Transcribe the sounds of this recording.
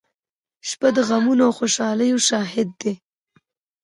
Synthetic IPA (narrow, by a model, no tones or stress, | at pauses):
ʃpad̪əɣamunoxoʃɑləjoʃɑɦɪd̪̚ːe